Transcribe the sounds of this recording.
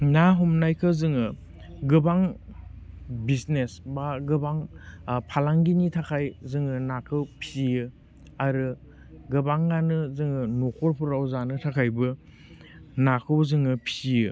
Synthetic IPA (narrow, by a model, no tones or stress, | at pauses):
naɦɔmnajkʰɯzɯŋɯ | ɡɯbaŋ | bisnesbaɡɯbaŋpʰalaŋɡinitʰakʰajzɯŋɯnakʰɯwpʰizijɯ | aɾɯ | ɡɯbaŋɡanɯzɯŋɯnokʰɔɾpʰuɾawzanɯtʰakʰajbɯ | nakʰɯwzɯŋɯpʰi̥zijɯ